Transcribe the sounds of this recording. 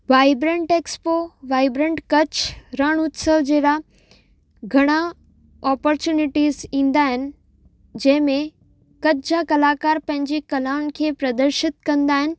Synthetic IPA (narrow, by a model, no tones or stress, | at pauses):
ʋaːɪbɾẽɳʈeːkspoʋaːɪbɾẽɳʈkɐt͡ɕɾɐɽ̃ʊt̪səʋd͡ʑeːɾa | ɡʱɐɽ̃a | ɔːpɔɾt͡ɕjuːnɪʈiːzĩːnd̪aːɦɪnɪ̆ | d͡ʑɐ̃ɦɪ̃mẽ | kɐd͡ʑakɐlaːkaːɾpɐ̃ɦɪ̃ɲd͡ʑikɐlaːnkʰeːpɾɐd̪əɾʃɪt̪kɐ̃nd̪aːɦɪnɪ̆